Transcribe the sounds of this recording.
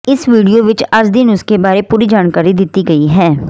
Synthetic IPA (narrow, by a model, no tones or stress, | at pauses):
ɪsʋiːɖijoʋɪt͡ʃɐɾd͡ʒd̪ɪnʊskebaːɾepuːɾid͡ʒaːnkaːɾid̪ɪt̪iɡɐiɦɛː